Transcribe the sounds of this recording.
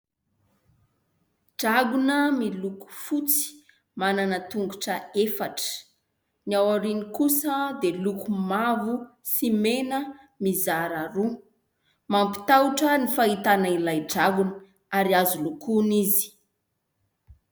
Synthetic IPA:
ɖ͡ʐaɡunəmiluku̥fut͡si̥ | mananət̪uŋɡuʈ͡ʂəefaʈ͡ʂə̥ | niawaɾinikusəd̪elukumavusimenə | mizaɾaɾu | mampi̥t̪awʈ͡ʂənifait̪anailajɖ͡ʐaɡunə | aɾiazulukunizi̥

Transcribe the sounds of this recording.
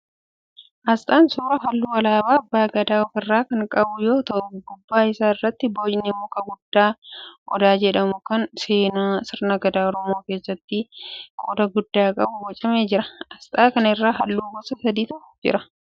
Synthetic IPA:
ʔɐst̪ʼaːnsoːɾɐɦɐlːuːwɐlaːbaːɐbːaːɡɐd̪aːɔfɪrːaːkɐŋkʼɐbʊjo̞ːt̪ɐʔʊɡʊbːaːɪsaːɪrːɐt̪ːɪboːd͡ʒnɪmɔkɐɡʊd̪ːaːʔɔd̪aːd͡ʒɛᶑɐmʊkɐnse̞ːnaːsɪɾnɐɡɐd̪aːɔɾɔmoːke̞ːsːɐt̪ːɪkʼoːd̪ɐɡʊd̪ːaːkʼɐbʊbɔt͡ʃʼɐmeːd͡ʒɪɾɐɐst̪ʼaːkɐnɪrːaːɦɐlːuːɡɔsɐsɐd̪iːt̪ɐʔʊd͡ʒɪ̰ɾɐ

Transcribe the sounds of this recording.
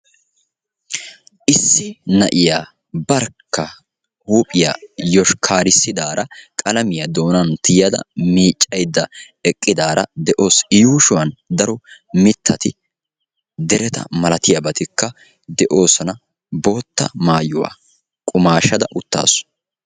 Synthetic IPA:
ʔɪsːɪnɐʔɪjaː | bɐɾkːɐ | huːpʼɪja̰ːjɔʃkʰaːɾɪsːɪd̪aːɾɐkʼɐlɐmɪjɐd̪o̞ːnɐnt̪ɪjɐd̪ɐ̰miːt͡ʃʼːɐjd̪ːɐ | ɛkʼːɪd̪aːɾɐd̪ɛʔo̞ːsɪjuːʃʊwɐnd̪ɐɾɔ | mɪt̪ʰːɐt̪ɪ | d̪ɛɾɛt̪ɐ̰mɐlɐt̪ɪjɐbɐt̪ɪkːɐ | d̪ɛʔo̞ːsɐnɐ | bo̞ːt̪ːɐ̰maːjʊwa̰ː | kʼʊmaːʃɐd̪ɐʔʊt̪ːa̰ːsʊ̥

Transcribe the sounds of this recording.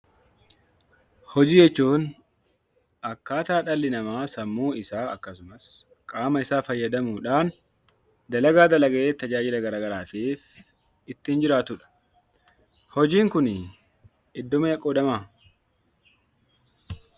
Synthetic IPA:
hɔd͡ʒiːd͡ʒɛt͡ʃːuːn | ʔɐkːaːt̪aːᶑɐlːɪnɐmaːsɐmːuːɪsaːɐkːɐsʊmɐs | kʼaːmɐɪsaːfɐjːɐd̪ɐmuːᶑaːn | d̪ɐlɐɡaːd̪ɐlɐɡɐʔeːt̪ːɐd͡ʒaːd͡ʒɪlɐɡɐɾaːɡɐɾaːfiːf | ɪt̪ːɪnd͡ʒɪɾaːt̪ʊᶑɐ̥ | hɔd͡ʒiːŋkʊn | ɪd̪ːɔmɐjɐkʼoːd̪ɐmaː

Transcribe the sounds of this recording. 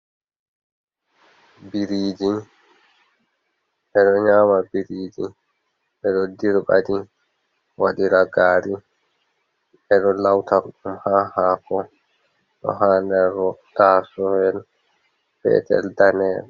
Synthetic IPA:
biɾiːd͡ʒi | ʔɛɗɔɲaːmabiɾiːd͡ʒi | ʔɛɗɔdiɾba̰di | waɗiɾaɡaːɾi | ɛɗɔlawtaɾɗumhaːhaːkɔ | ɗɔ̰ɦaːndɛɾːɔtaːsɔhɛl | pɛ̰tɛ̰ldanɛɾ

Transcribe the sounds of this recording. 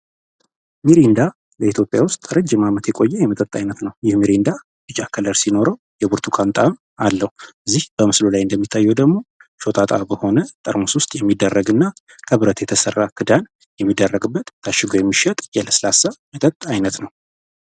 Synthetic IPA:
miɾind̪a | ləit̪ʰjo̞pʼjawʊst̪ʼɾɨd͡ʒːɨmamət̪jɛkʼo̞jːɛjɛmət̪ʼət̪ʼːajnət̪nəwjɪhmiɾind̪a | bɨd͡ʒakʰələɾsino̞ɾəw | jɛbuɾt̪ʰukʰant̪ʼam | alːəhuɨzːihbəmɨslolajɨnd̪əmːit̪ʰːajːɛwd̪əɡmo̞ʃo̞t̪ʼat̪ʼabəho̞nət̪ʼəɾmuswʊst̪ʼjɛmːid̪ːərːəɡɨnːa | kʰəβɨɾət̪jɛt̪ʰəsərːakʰɨd̪an | jɛmːid̪ːərːəɡɨbːət̪ːʰaʃːɪɡojɛmːiʃət̪ʼjɛləslasamət̪ʼət̪ʼːajnət̪nəw

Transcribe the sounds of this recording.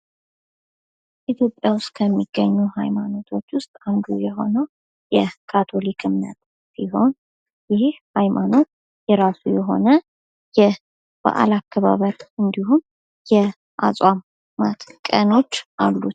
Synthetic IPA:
ʔit̪ʰjo̞pʼjawʊst̪ʼkʰəmːiɡ̥ːəɲːuha̰jmano̞t̪ʰo̞t͡ʃːwʊst̪ʼand̪ujɛɦo̞̰nəw | jɛkʰat̪ʰo̞likʰɨmnə̰t̪ | siɦo̞n | jɪhhajmʔano̞t̪ | jɛɾasujɛɦo̞̰nə | jɛ | b̥a̰ʔa̰lakʰːəβa̰βəɾɨnd̪iɦun | jɛ | ʔa̰sʼwam | mːat̪kʼəno̞t͡ʃːʔalːut̪

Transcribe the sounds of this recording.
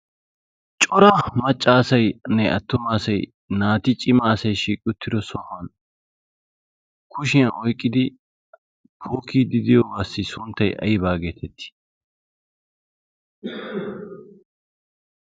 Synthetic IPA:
t͡ʃʼɔɾɐmɐt͡ʃʼːaːsɐjnɛʔɐ̰t̪ːʊmaːsɐj | naːt̪ɪt͡ʃʼɪmaːsɐjʃiːkʼːʊt̪ʰːɪd̪ɔsɔhɐn | kʰʊʃɪjɐʔɔjkʼːɪd̪ɪ | pʰoːkiːd̪ɪd̪ɪjɔwaːsːɪsʊnt̪ːɐjʔɐ̰jɪbaːɡeːt̪ʰɛt̪ːɪ̥

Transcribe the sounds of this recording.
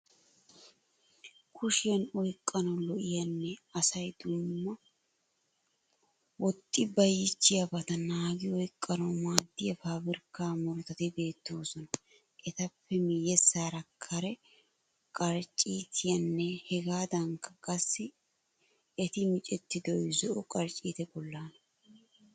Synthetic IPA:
kʰʊʃɪjɐnɔjkʼːɐnɐlɔʔɪjɐnːɛɐsɐjd̪̥ʊmːɐ | wɔt̪ʼːɪbɐjːɪt͡ʃːɪjɐbɐt̪ɐnaːɡɪɔjkʼːɐnomaːd̪ːɪjɐfaːbɪɾkːaːmɔɾt̪ɐt̪ɪbe̞ːt̪ːo̞ːsɔnɐ | ʔɛt̪ɐpːɛmɪjɛsaːɾɐkʰːɐɾɛ | kʼɐɾt͡ʃʼːiːt̪ʰɪjɐnːɛhɛɡaːd̪ɐŋkɐkʼɐsːɪ | ɛt̪ɪmɪt͡ʃʼɛt̪ːɪd̪ɔjzɔʔʊkʼɐɾt͡ʃʼiːt̪ɛbɔlːaːnɐ

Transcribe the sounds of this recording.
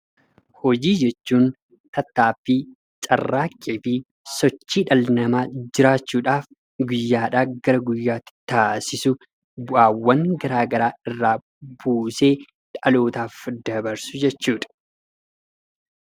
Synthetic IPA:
hɔd͡ʒiːd͡ʒɛt͡ʃːuːn | t̪ɐt̪ːaːfːɪ | t͡ʃʼɐ̰rːaːkʼːeːfɪ | sɔt͡ʃːiːᶑɐlnɐmaːd͡ʒɪɾaːt͡ʃːuːᶑaːf | ɡʊjːaːᶑaːɡɐɾɐɡʊjːaːt̪ːɪ̥t̪aːsɪsʊ | bʊʔaːwːɐŋɡɐɾaːɡɐɾaːɪrːaː | buːseː | ᶑʼɐlo̞ːt̪aːfd̪ɐbɐɾsʊd͡ʒɛt͡ʃːuːᶑɐ̥

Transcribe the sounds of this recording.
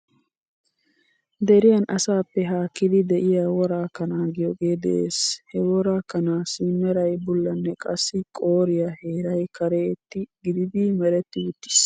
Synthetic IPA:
d̪ɛɾɪjɐnʔɐsaːpːɛɦaːkːɪd̪ɪd̪ɛʔɪjawɔɾaːkɐnaːɡɪjɔɡeːd̪ɛ̰ʔḛːshɛwɔɾaːkɐnaːsɪmːɛɾɐjbʊlːɐnːɛkʼɐsːɪkʼo̞ːɾɪjɐhe̞ːɾɐjkɐɾeːt̪ːɪɡɪd̪ɪd̪ɪmɛɾɛt̪ːɪwʊt̪ːɪ̥s

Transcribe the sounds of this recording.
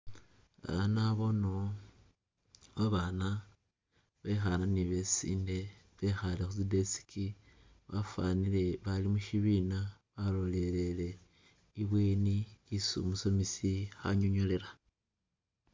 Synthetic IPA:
a̰βanaβo̞no | βaβaːna | βe̞xananiβe̞sḭːnde̞ | βe̞xalexuzide̞si̥kʰi | βafanile̞βalimuʃiβina | βalo̞le̞le̞le̞ | iβweːniisṵmuso̞misixa̰ɲoɲole̞ɾa

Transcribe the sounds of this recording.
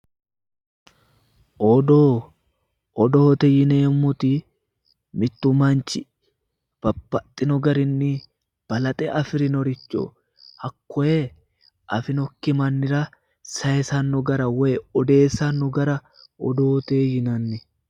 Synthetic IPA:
ʔɔd̪oː | ɔd̪oːt̪ɛjɪneːmːʊt̪i | mɪt̪ːʊmɐnt͡ʃɪ | b̥ɐbːɐt̪ʼːɪnɔɡɐɾɪnːɪ | b̥ɐlɐt̪ʼɛʔɐfɪɾɪnɔɾɪt͡ʃːo̰ː | hɐkːɔe | ʔɐfɪnɔkːɪmɐnːɪɾɐ | sɐjɛsɐnːʊɡɐɾɐwɛjɔd̪e̞ːsːɐnːʊɡɐɾɐ | ɔd̪oːt̪eːjɪnɐnːɪ

